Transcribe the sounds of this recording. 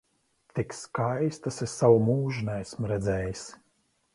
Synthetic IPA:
t̪ikskajst̪asesːawumuːʒunɛæsmɾɛd̪zɛːjis

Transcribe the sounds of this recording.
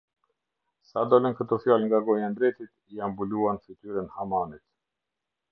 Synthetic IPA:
sad̪ɔlənkət̪ɔfjalŋɡaɡɔjand̪ɾɛt̪it̪ | iambuluanfit̪yɾənhamanit̪

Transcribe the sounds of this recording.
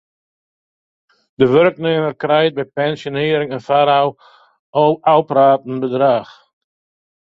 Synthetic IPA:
d̥əʋørkneːmərkrɛjt̚bɛjpɛnsjonɪːɾɪŋənfaɾaw | ʔoawpəɾaːtn̩bədraːx

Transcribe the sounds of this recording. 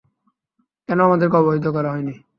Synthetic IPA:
kɛnoamad̪eɾkeɔboɦit̪̬ok̬ɔɾaɦɔjni

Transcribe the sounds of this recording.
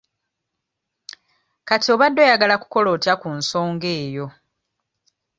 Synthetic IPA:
katio̞ːβadːo̞ːjaɡalaku̥ko̞lo̞ːtakunso̞ːŋɡe̞ːjo̞

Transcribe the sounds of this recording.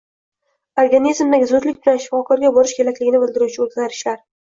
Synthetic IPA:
oɾɡanizmd̪aɡʲɪzʊd̪lɪk̚ʲbɪlanʃɪ̥fɒkʰɒɾɡʲabɒɾɪʃkʲe̞lakʲlɪɡʲɪnɪbɪld̪ɪɾuwt͡ʃʰɪozɡʲaɾɪʃlaɾ

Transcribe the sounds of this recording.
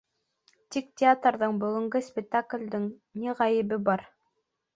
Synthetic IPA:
t̪ʲiktʲɪat̪rðɤɴbɵ̆ɡɵ̆ŋɡɵsʲpʲɪk̚t̪aklʲd̪ɘŋniʁɑjɘ̆βɘbɑɾ

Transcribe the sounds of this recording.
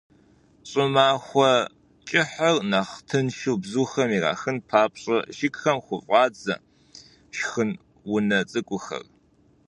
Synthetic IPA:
ɕʼɪmaːxʷɔ | t͡ʃʼɪħərnaːχtʰɨnʃɨwbzuːxɐmiːra̰ːxɨnpʰaːpʼɕʼɐʃɪkxɐmχʷʊfʼɑːd͡zɐ̰ | ʃxɨn | wʊnɐt͡sʼɨkʷʼʊxɐ̰r

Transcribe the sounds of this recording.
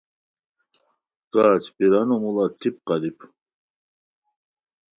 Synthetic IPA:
kaːt͡ʃʰbiɾanomulat̪ʰip̚qɑlipʰ

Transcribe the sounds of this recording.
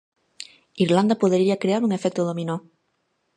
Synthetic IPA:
iɾland̪apoðeɾiakɾeaɾuŋefɛk̚t̪oðomino

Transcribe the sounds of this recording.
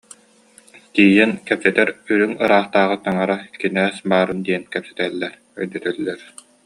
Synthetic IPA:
t̪iːjɛnkɛpsɛt̪ɛɾyɾyŋɯɾaːχt̪aːʁɯt̪aŋaɾakinæːsbaːɾɯnd̪iɛnkɛpsɛ̥t̪ɛːlːɛɾ | œ̰jd̪œt̪œlːɛɾ

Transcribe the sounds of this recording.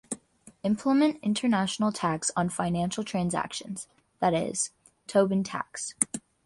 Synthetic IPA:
ɪ̃mpʰləmɨ̃ntɪ̃ntʰə˞næʃn̩l̩ˠtʰæksn̩fãɪ̃næ̃nʃl̩ˠtʰɹ̥æ̃nzæ̰kʃɨ̃nz̥ | ðɨɾɪ̰z̥ | tʰoʊbɨ̃ntʰæ̰ks

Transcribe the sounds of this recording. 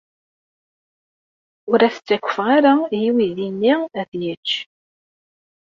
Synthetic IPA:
ʊɾæθə̥t͡sːækʷːə̥fʁaɾajiwiðinːiæðjət͡ʃː

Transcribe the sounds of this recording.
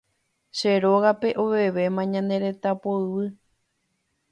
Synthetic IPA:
ʃeɾo̞ɣape̞ʔoβe̞ʋe̞mãɲãnd̪e̞ɾe̞t̪apoɨʋɨ

